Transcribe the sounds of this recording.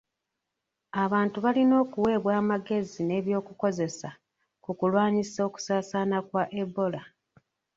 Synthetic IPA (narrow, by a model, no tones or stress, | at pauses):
aβaːntuβalino̞ːkuwe̞ːβwaːmaɡe̞zine̞ːβjo̞ːkuko̞ze̞sa | kukulwaːɲiso̞ku̥saːsanakwaʔebo̞la